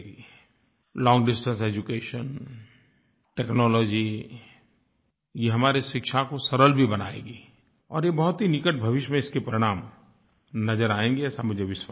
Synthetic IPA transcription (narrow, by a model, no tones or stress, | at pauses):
i | lɔ̃ːŋɡɖɪsʈə̃nseːd͡ʒukeːʃən | ʈeːknɔːlɔːd͡ʒi | jeɦɐmaːɾeʃɪkʃakosɐɾəlbʱibɐna̰ːḛːɡiː | ɔːɾjebɐɦʊt̪ɦinɪkəʈ̚bʱɐʋɪʃəmẽɪskepɾɪɽ̃aːm | nɐzəɾaːẽːŋɡeɛːsamʊd͡ʒʱeʋɪsw